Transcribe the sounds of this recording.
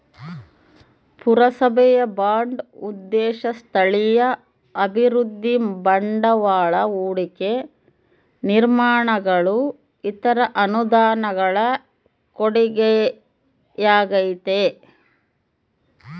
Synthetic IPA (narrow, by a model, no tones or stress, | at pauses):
puɾɐsɐbʱɛjɐbaːɳɖud̪ːɛːʃɐst̪ʰɐɭijɐ | ɐbʱiɾud̪ʱːibɐɳɖɐʋaːɭɐuːɽike̞ | niɾmaːɳɐɡɐɭu | it̪ɐɾɐʔɐnud̪aːnɐɡɐɭɐ | koɽiɡe | jaːɡɐjit̪e